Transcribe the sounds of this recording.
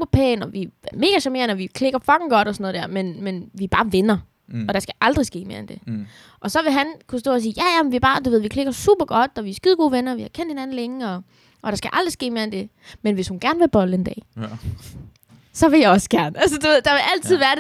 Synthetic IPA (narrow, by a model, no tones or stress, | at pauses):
ub̥ɐpʰɛ̰ːnɒ̽ʋime̝ːɡ̥æɕæme̝ɐ̰nɒʋikʰle̝ɡ̥ɐfɒ̽ɡ̥n̩ɡ̥ɒ̽d̥ɒsɒnɔ̽ð̩ˠd̥æɐ̰menmenʋib̥ɑ̈ːʋenɐ | ɒ̽ɾ̥ɑ̈sɡ̥æʔɑ̈ld̥ʁisɡ̥e̝̰ːme̝ɐend̥e̝ | ʔɒ̽sɒ̽ʋe̝ɦænkʰusd̥ɔ̰ːs̬iːjæjæmenʋiæb̥ɑ̈ːd̥uʋe̝ð̞̰ˠʋikʰle̝ɡ̥ɐsṵːb̥ɐɡ̥ɒ̽d̥ɒʋiæsɡ̥iðˠɡ̥o̝̰ːʋenɐɒʋihɑ̈kʰen̰d̥he̝næn̩leŋəɒ̽ | ʔɒ̽ɾ̥ɑ̈sɡ̥æʔɑ̈ld̥ʁisɡ̥e̝̰ːme̝ɐend̥e̝ | menʋe̝shunɡ̥æɐnʋe̝lb̥ɒ̽ləend̥ɛ̰ː | sɒ̽ʋe̝jɑɪɒ̽sɡ̥æɐnæls̬əd̥uʋe̝ð̞̰ˠd̥ɑ̈ʋe̝ʔæl̰t͡sʰið̰ˠʋæːɐd